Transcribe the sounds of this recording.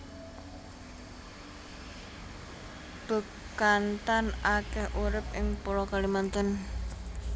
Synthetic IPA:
b̥ə̤ | kant̪anakɛhʔuɾɪp̚ʔɪŋpoɾɔkalimant̪ən

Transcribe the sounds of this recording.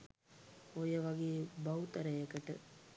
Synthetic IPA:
ojəʋaɡeːbaut̪ɐɾəjəkəʈə

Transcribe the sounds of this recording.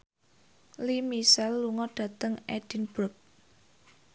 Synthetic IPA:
limisɛlːuŋɔɖ̥ä̤t̪əŋɛd̥i̤nb̥ɾʊk̚

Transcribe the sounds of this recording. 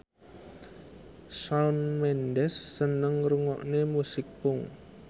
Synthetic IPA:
saunmɛndɛsːənəŋɾuŋɔ̰ʔnemusɪk̚pʊŋ

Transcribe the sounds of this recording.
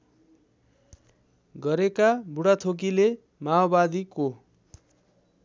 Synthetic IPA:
ɡʌɾekabuɽat̪ʰok̬ile | maobad̪iko

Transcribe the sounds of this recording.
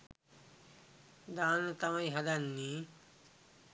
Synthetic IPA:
d̪aːnot̪amajɦad̪anːi

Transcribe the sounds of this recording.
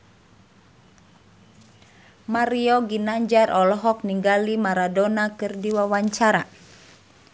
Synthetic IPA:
maɾiɔɡinaɲd͡ʒarʔɔlɔɦɔk̚niŋɡalimaɾadɔnakɨrdiwawaɲt͡ʃaɾa̰

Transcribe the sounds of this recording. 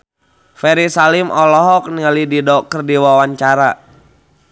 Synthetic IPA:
fɛɾisalimʔɔlɔɦɔk̚nialididɔkərdiwawaɲt͡ʃaɾa

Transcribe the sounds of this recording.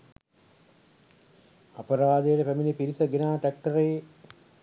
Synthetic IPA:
ɐpɐɾaːd̪əjəʈəpæminipiɾisəɡenaːʈæk̚ʈəɾeje

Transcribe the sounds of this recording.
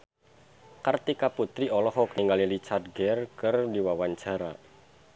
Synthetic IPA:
kart̪ikaput̪ɾiɔlɔɦɔkniŋɡalilit͡ʃard̚ɡɛrkɨrdiwawaɲt͡ʃaɾa

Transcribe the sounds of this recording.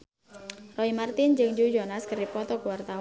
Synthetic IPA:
rɔimart̪ɪnd͡ʒɨŋd͡ʒud͡ʒɔnaskəripɔt̪ɔkuwart̪a

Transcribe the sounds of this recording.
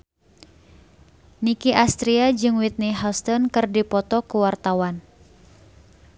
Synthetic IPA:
nikiʔast̪ɾiad͡ʒɨŋwit̪̚niɦalst̪ɔnkɨrdipɔt̪ɔkuwart̪awan

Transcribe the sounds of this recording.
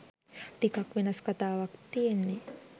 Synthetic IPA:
ɖikakwinaskat̪aːwakt̪iːnːi

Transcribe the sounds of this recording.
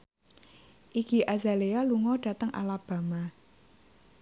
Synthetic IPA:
ʔiɡ̥iʔazalealuŋɔɖ̥ä̤t̪əŋʔa̰lab̥a̤ma

